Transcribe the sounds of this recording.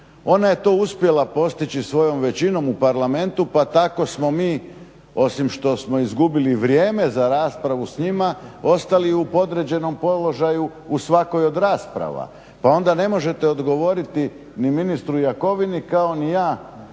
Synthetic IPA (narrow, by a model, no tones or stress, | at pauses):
o̞naje̞t̪o̞ːuspje̞lapo̞st̪it͡ɕisʋo̞jo̞mʋe̞t͡ɕino̞mupaɾlame̞nt̪upat̪ako̞smo̞miː | o̞simʃt̪o̞smo̞izɡubiliʋɾjeːmezaɾaːspɾaʋusɲimao̞st̪aliupo̞d̪ɾe̞d͡ʑe̞no̞mpo̞lo̞ʒaju | usʋako̞jo̞d̪ɾaːspɾa̰ʋa̰ | pao̞nd̪ane̞mo̞ʒe̞t̪e̞od̪ɡo̞ʋo̞ɾit̪i | niminist̪ɾujako̞ʋinikao̞nijaː